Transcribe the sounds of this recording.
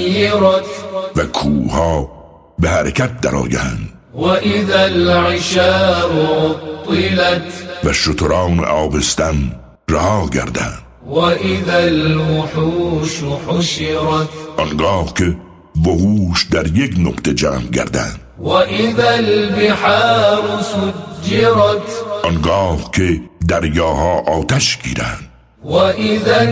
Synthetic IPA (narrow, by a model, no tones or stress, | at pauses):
jɪɾɑt̪vækʰuːhɑː | behæɾekʰæt̪̚d̪æɾɒ̰ːɡæhænd̪ | waʔɪðalʕɪʃaːʔot̪ːɨlat̪væʃot̪ʰoɾɑːnḛʔɒːbest̪æn | ɾæhɑːɡæ̰ɾd̪æ̰nd̪waʔɪðalwʊħuːʃħʊʃɪɾɑt̪ʔɒnɡɑːhke | bohuːʃd̪æɾjeknoqt̪ed͡ʒæ̰ːmɡæ̰ɾd̪æ̰nd̪̥waʔɪðalbɪħɑːɾsʊd͡ʒːɪɾɑt̪ʔɔnɡɑːhkʰed̪æɾjɒːɦɑːʔɒːt̪æʃɡḭːɾæ̰nd̪̥̚ | waʔɪða